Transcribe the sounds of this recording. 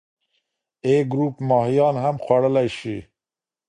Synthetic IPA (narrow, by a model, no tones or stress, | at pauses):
eːɡɾuːpmɑːɦijɑːnhamxwaɽəlæjʃi